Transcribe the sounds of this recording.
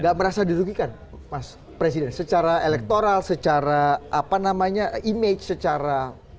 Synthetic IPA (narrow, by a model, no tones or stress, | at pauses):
ŋɡaʔməɾasadiɾuɡikan | mas | pɾes̬idɛnsət͡ʃaɾaelɛk̚t̪oɾalsət͡ʃaɾaʔapanamaɲaimet͡ʃsət͡ʃaɾa